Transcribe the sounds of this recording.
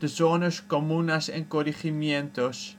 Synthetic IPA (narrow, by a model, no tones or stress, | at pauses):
d̥əzonəskomunɐsɛ̰ŋkoɾiχimjɛnt̪os